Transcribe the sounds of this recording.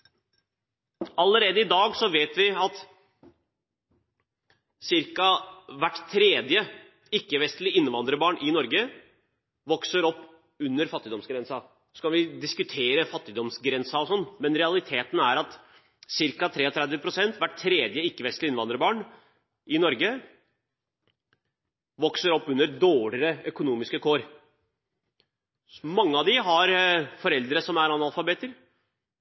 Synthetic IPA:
ɑləɾeːd̪əɪd̪ɑːɡsɔʋeːt̪ʋɪɑt̪ | sɪɾkɑʋæʈːt̪ʰːɾeːd̪jə | ɪkːəʋɛst̪lɪɪnːəʋɑnd̪ɾəbɑːɳʔɪnɔɾɡə | ʋɔksəɾɔpː | ʉnːəɾfɑt̪ːɪd̪ɔmsɡɾɛnsɑ | ɔskɑʋɪd̪ɪskʉt̪ʰeːɾəfɑt̪ːɪd̪ɔmsɡɾɛnsɑɔsɔnːmɛnɾɛɑlɪt̪ʰeːt̪n̩æɾɑt̪ | sɪɾkɑt̪ʰɾeːɔt̪ʰɾæd̪əpʰɾʊsɛnt̪ʋæʈtʰːɾeːd̪jəɪkːəʋɛst̪lɪɪnʋɑnd̪ɾəbɑːɳ | ʔɪnɔɾɡə | ʋɔksəɾɔpːʉnːəɾd̪oːɭɪɾəœkʊnuːmɪskəkʰoːɾ | mɑŋːəɑʋd̪ɪɦɑɾfɔɾɛld̪ɾəsɔmæɾɑnɑlfɑbeːt̪əɾ

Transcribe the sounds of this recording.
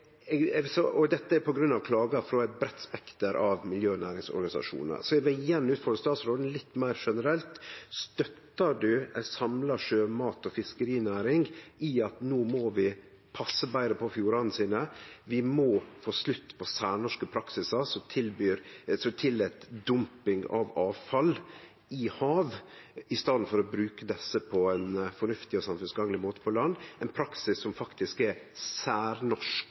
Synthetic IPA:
sɔʔɔd̪ɛt̪ːəæɾpʰɔɡɾʉnːɑʋkʰlɑːɡɑfɾɔæɪt̪̚bɾɛt̪ːspɛkt̪əɾʔɑʋmɪljøːnæːɾɪŋsɔ̰ɾɡɑnɪsɑ̰ʂṵːnə̰ɾsɔɛʋɛɪjɛnːʉːt̪fɔɾəst̪ɑːt̪sɾoːd̪n̩lɪt̪ːmæɪɾʂɛnəɾɛlt̪st̪œt̪ːəɖʉæsɑmlɑʂøːmɑːt̪ɔfɪskəɾiːnæːɾɪŋɡɪɑt̪noːmɔʋɪ | pʰɑsːəbæɪɾəpʰɔfjuːɾɑnn̩siːnəʋɪmɔːfoːslʉt̪ːpʰɔsæːɳɔʂkəpʰɾɑksɪsɑsɔt̪ʰɪlbyːɾsɔt̪ʰɪlɛt̪d̪ʊmpɪŋɑ̰ʋɑːʋfɑl | ɪhɑːʋɪst̪ɑːd̪n̩fɔɾɔbɾʉːkəd̪ɛsːəpʰɔɛnfɔɳʉft̪ɪɔsɑmfʉnsɡɑŋlɪmoːt̪ə̥pʰɔlɑnd̪ːɛɪnpʰɾɑksɪsːɔmfɑkt̪ɪskɛɾsæːɾnɔʂk

